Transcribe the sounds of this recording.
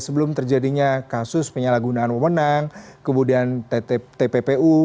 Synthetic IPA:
səbəlʊmt̪ərd͡ʒadiɲakasʊspəɲalaɡunaːnwəmənaŋ | kəmudiant̪epepeu

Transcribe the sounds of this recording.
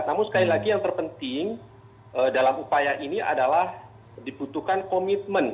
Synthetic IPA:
namʊnsə̥kalilaɡijaŋt̪ərpənt̪iŋ | ʔədalamupajaʔiniʔa̰dalah | dibut̪uhkankomit̪̚mən

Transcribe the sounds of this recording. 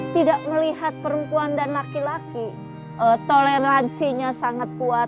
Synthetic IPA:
t̪idaʔməliɦat̪̚pəɾəmpuandanlakilaki | ʔət̪oleɾansiɲasaŋat̪̚kua

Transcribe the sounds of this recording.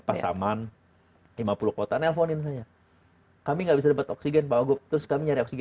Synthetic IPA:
pasa̰man | limapulʊkot̪anɛlfonɪns̬aja | kamiŋɡaʔbisadəpət̪ɔksiɡɛnpaaɡʊt̪ɾʊskamiɲaɾiɔksiɡ

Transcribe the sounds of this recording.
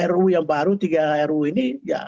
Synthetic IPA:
ɛɾujaŋbaɾut̪iɡaɛɾuinija̰

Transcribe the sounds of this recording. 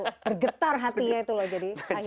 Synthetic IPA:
bərɡət̪arɦat̪iɲait̪ulɔhd͡ʒadiaj

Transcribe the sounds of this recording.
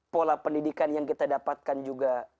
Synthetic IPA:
polapəndidikanjaŋkit̪adapat̪̚kand͡ʒuɡa

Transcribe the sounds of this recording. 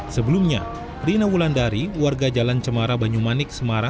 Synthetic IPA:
səbəlumɲa | rinawulandaɾiwarɡad͡ʒalant͡ʃəmaɾabaɲumanɪk̚səmaɾa

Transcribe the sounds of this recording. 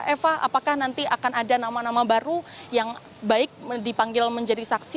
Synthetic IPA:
ɛfaa̰pakahnant̪iʔakanadanamanamabaɾujaŋ | baɪk̚dipaŋɡɪlməɲd͡ʒadisaksi

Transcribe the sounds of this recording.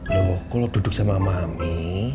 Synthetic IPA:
namɔkɔlɔd̥ud̥ʊk̚samamami

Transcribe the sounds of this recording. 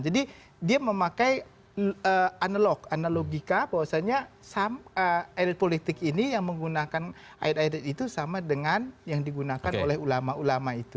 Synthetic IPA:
d͡ʒadi | diaməmakaj | əanalɔkanaloɡikabawasaɲasaməajdɛt̪̚polit̪ɪkinijaŋməŋɡunakan | ʔa̰it̪ajdɛt̪̚it̪usamadəŋanjaŋdiɡunakano̰lɛhulamaulamait̪u

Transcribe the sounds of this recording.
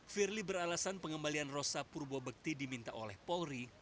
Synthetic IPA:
firlibəɾalasanpəŋəmbalianrosapurbobək̚t̪idimint̪aʔolɛhpɔɾi

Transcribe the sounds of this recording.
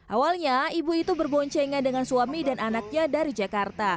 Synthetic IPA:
ʔawalɲaibuit̪ubərbɔɲt͡ʃeŋandəŋansuamidanʔanak̚ɲadaɾid͡ʒakart̪a

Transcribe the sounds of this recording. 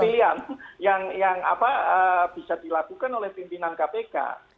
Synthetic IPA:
ilianjaŋjaŋa̰paəb̥i̤sadilakukanolɛhpimpinankapeka̰

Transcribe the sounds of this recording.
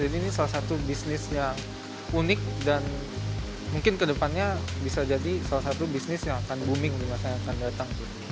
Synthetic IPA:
d͡ʒadiːnisalasat̪ubisnɪsjaŋ | unɪk̚dan | muŋkɪnkədəpanɲabisad͡ʒadisalasat̪ubisnɪsjaŋakanbumɪŋdimasaɲaːkandat̪aŋt̪ʊ

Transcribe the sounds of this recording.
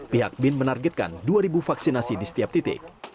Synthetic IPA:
piɦak̚bɪnmənarɡɛt̪̚ka̰nduaɾibufaksinasidisə̥t̪iap̚t̪it̪ɪ̰k̚

